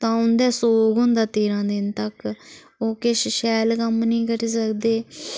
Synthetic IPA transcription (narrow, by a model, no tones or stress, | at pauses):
t̪ãːʊnd̪ɛːsoːɡɦʊnd̪aːt̪eːɾãːd̪ɪnt̪ək | oːkeːʃʃɛːlkəmnĩːkəɾiːs̬əkd̪eː